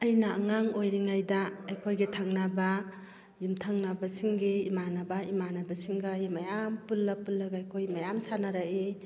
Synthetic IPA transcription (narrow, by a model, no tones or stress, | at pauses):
ɐjnaːŋaŋojɾiŋajdaːjkʰojɡetʰaŋnaba | jimtʰaŋnabasiŋɡeimanabaimanabasiŋɡajimajampulːapulːaɡajkʰojmajamsanaɾae